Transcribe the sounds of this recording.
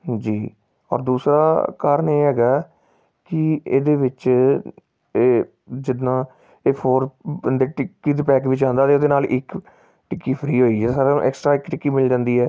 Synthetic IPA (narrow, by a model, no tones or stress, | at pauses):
d͡ʒiː | ɔ̰ːɾd̪uːsɾa̰ːkaːɾəneːɦɛːɡaː | kɪḛːd̪eːʋɪt͡ʃ | eː | d͡ʒɪd̪nãː | eːpʰoːɾnd̪eːʈɪkːiːd̪pɛːkʋɪt͡ʃãːnd̪aːt̪eːod̪eːnaːlʔɪk | ʈɪkːiːpʰɾiːɦoːiːɛːsaːɾã̰ʔɛ̰ːksʈɾaːɪkʈɪkːiːmɪld͡ʒãːnd̪iːɦɛː